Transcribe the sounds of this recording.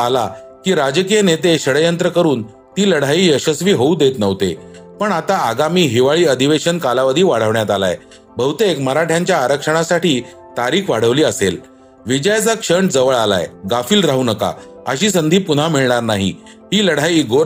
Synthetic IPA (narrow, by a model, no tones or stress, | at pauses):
alakiːɾad͡ʑkijənet̪eɕəɽəjənt̪ɾəkəɾuːn | t̪iːləɽ̤aiːəɕəsʋiːɦoud̪et̪nəʋt̪ḛpəɳat̪aaɡamiːɦiʋaɭiːəd̪ʱiʋeɕənkalaʋəd̪ʱiːʋaɽ̤əʋɳjat̪ala̰j | bʱəʋut̪ekməɾaʈʰjãɲt͡ɕjaːɾəkʂəɽ̃asaʈiː | t̪aɾiːkʋaɽ̤əʋliːəsel | ʋid͡ʑəjd͡zakʂəɳʈd͡zəʋəɭala̰jɡafiːlɾaɦunəka̰ | əɕiːsənd̪ʱiːpun̤amiɭɳaɾnaɦḭ | ɦiːləɽ̤ajiːɡoɾ